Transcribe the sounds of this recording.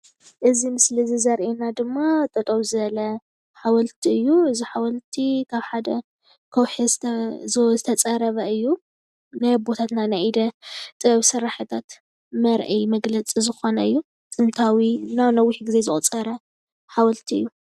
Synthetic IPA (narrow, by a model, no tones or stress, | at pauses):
ʔɨzimɨslizɨzɐɾʔenad̪ɨmːat̪ʼɐt̪ʼɐwzɨβɐlɐ | ħawɐlt̪ʰiɨjːuɨziħawɐlt̪ʰikʰaβħad̪ɐ | kʰɐwħizzzɨt̪ʰɐt͡sʼɐɾɐβɐɨjːu | najbot̪ʰat̪nanajid̪ɐt̪ʼɨβsɨɾaħɨt̪ʰat̪ | mɐɾʔɐjmɐɡlɐt͡sʼizɨxo̞nɐɨjːu | t̪ʼɨnt̪ʰawinanɐwiħɡizezɨχʼt͡sʼɐɾɐ | ħawɐlt̪ʰiɨjːu